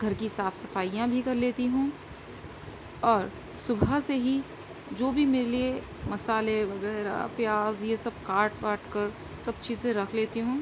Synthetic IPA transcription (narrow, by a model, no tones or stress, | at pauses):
ɡʱɐɾkisaːfʰsɐfaːijãbʱikɐɾleːt̪iɦũː | ɔːɾ | sʊbʱəseɦi | d͡ʒoːbʱimeːɾelie | mɐsaːleʋɐɣɛːɾa̰pjaːzjesɐb̚kaːɾʈpaːɾʈkɐɾ | sɐb̚t͡ʃiːzseɾɐkʰleːt̪iɦũː